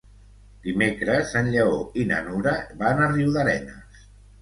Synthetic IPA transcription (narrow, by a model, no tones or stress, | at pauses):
d̪imekɾəzənʎəoinə̰nuɾəβanəriwðəɾɛ̰nəs